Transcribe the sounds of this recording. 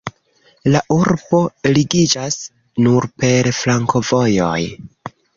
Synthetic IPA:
laʔuɾbo̞liɡid͡ʒas | nuɾpe̞ɾflaŋko̞vo̞jo̞̰j

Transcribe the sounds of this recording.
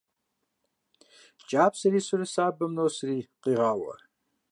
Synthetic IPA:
t͡ʃʼaːpʰsɐɾiːsɨrɨsaːbɐmnoːsriːqiːʁɑːwɐ̰

